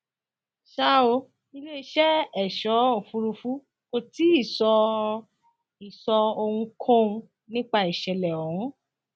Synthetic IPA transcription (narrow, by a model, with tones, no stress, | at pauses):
ʃa˦o˧ | ĩ˧le˦i˧ʃɛ˦ɛ˨ʃɔ˨˦o˦˨fu˧ɾu˧fu˦ | ko˧ti˨˦i˦˨sɔ˧ | i˨sɔ˧o˧hũ˧kʰɔ̃˦ũ˧ | nĩ˦k͡pa˧i˨ʃɛ˨lɛ˨o˨ũ˨˦